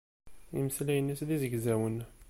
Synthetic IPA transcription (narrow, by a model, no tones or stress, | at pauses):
ḭməslijənːisðizəɡzæwən